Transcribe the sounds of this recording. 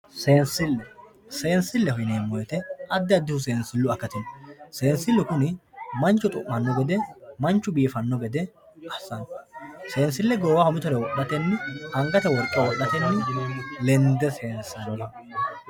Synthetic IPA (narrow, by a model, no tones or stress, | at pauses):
seːnsɪlːɛ | se̞ːnsɪlːɛhɔjɪneːmːɔjɛt̪ɛɐd̪ːɪɐd̪ːɪhʊseːnsɪlːʊɐkːɐt̪ɛnɔse̞ːnsɪlːʊkʊnɪmɐnt͡ʃːɔt̪ʼʊ̰ʔːɐnːɔɡɛd̪ɛmɐnt͡ʃːʊbiːfɐnːɔɡɛd̪ɛ | ʔɐsːɐnse̞ːnsɪlːɛɡoːwahʊmɪt̪ɔɾɛwɔɗːɐt̪ɛnːɛhɐŋɡɐt̪ɛwɔɾkʼːɪwɔɗːɐt̪ɛnːɛlɛnd̪ɛseːnsɪɾɔ